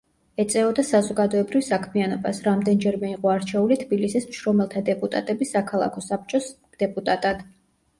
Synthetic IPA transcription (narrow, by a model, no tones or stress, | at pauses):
ɛt̪sʼɛɔd̪asazɔɡad̪ɔɛbɾivsakʰmianɔbasɾamd̪ɛnd͡ʒɛɾmɛiqʼɔaɾt͡ʃʰɛulit̪ʰbilisismʃɾɔmɛlˠt̪ʰad̪ɛpʼut̪ʼa̰t̪ʼɛbisakʰalˠa̰kʰɔsap̚t͡ʃʼɔs | d̪̥ɛpʼut̪ʼat̪ʼad̪̥